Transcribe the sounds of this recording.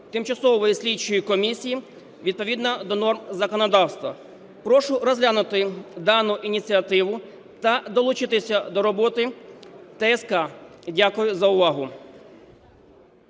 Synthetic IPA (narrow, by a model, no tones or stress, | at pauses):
t̪ɪmt͡ʃɐsɔʋɔjisʲlʲit͡ʃɔjikɔmʲisʲiji | ʋʲid̪̚pɔʋʲid̪nɐd̪ɔnɔrmzɐkɔnɔd̪ɑwst̪ʋɐ | pɾɔʃʊrɔzʲlʲanʊt̪ɪd̪ɑnʊʔinʲit͡sʲiɐt̪ɪʋʊ | t̪ɐd̪ɔlˠʊt͡ʃɪt̪ɪsʲɐd̪ɔɾɔbɔt̪ɪt̪ɛɛskɑdʲakʊjʊzɐʊʋɑɦʊ